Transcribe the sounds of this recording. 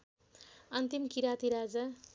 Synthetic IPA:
ʌnt̪imkiɾat̪iɾad͡za

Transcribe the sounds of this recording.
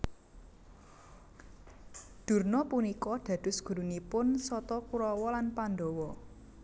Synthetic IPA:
d̪̥ṳrnɔpunikɔd̪̥ä̤d̪̥ʊ̤sɡ̥ṳɾunipʊnsɔt̪ɔkuɾɔwɔlanpand̪ɔwɔ

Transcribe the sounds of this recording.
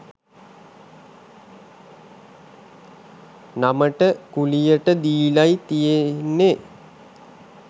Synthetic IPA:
naməʈəkulijəʈəd̪iːlajt̪ijenːe

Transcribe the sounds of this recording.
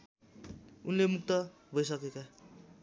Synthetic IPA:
unlemuk̚t̪ʌ | bʱʌjs̬ʌkeka

